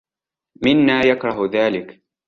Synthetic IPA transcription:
mɪnːaːjakɾˤɑɦðaːlɪk

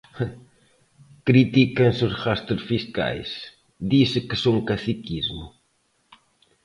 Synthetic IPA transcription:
kɾit̪ikɐ̃nsʊsʁast̪eɾsfiska̰js | d̪isɨkɪsõwŋkasikizmʊ̰

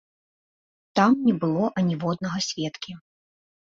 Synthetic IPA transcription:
t̪amnʲɛbɨlˠɔʔɐnʲivɔd̪̚nɐɣɐsʲvʲɛt̪kʲi

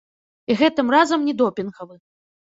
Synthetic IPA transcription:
iɣɛt̪ɨmrazɐmnʲid̪ɔpʲinɣɐvɨ

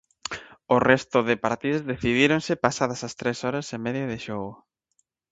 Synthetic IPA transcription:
ʊrɛst̪ʊðɪpaɾt̪iðozðeθiðiɾonsɪpasaðɐsɐst̪ɾesɔɾɐsemɛðjaðɪʃɔɣʊ

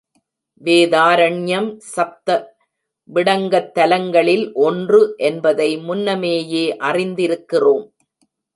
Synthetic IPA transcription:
ʋeːðaːɾɐɳjɐmsɐp̚t̪ɐ | ʋɪɽɐŋɡɐt̪ːɐlɐŋɡɐɭɪlʔɔndrɯʔɛnbɐðɐɪmʊnːɐmeːjeːʔɐrɪnd̪ɪɾɯkːɪroːm

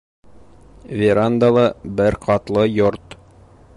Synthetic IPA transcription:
vʲɪɾand̪ɑlˠɤbɘɾqʰɑt̪lˠɤjoɾt̪

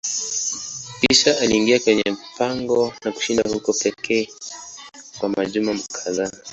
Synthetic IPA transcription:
piʃaaliːŋɡiakwɛɲɛm̩paŋɡɔnaku̥ʃindahukɔpɛkʰɛː | kwamaʄumam̩kʰazaa

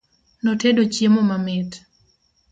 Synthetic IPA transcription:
nɔtedot͡ʃjemomamɪt

